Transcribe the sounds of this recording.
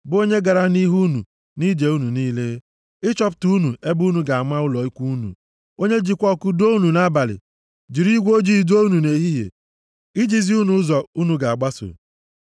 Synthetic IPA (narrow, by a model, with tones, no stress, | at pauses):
bʊ˨o˦ɲe˦ɡa˨ɾa˦ni˦ɦu˦nṵ˨ | ni˦d͡ʒe˨u˦nu˨niː˦le˦ | ɪ˦t͡ʃɔ˦ptu˦u˦nu˨e˦bu˦nu˨ɡa˨a˨ma˦ʊ˦lɔ˨i˦kʷu˦nṵ˨ | o˦ɲe˦d͡ʒi˨kʷɔ˦kʊ˦do˦u˦nu˨na˦ba˨lɪ̰˨ | d͡ʒi˨ɾi˦ɡʷo˦d͡ʒi˦i˨du˦o˦u˦nu˨ne˨ɦi˦ɦḛ˨ | ɪ˦d͡ʒi˨zi˦u˦nu˨˦zɔ˨u˦nu˨ɡa˨a˨ɡ͡ba˦sʊ̰˨